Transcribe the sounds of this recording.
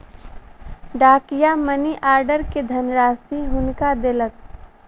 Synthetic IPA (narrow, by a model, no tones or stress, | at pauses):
ɖaːkɪjaməniʔaːɾɖəɾked̪ʱənɾaːsiɦʊnkad̪elək̚